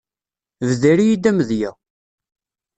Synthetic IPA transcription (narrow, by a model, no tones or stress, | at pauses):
vðæɾijid̪æməðjæ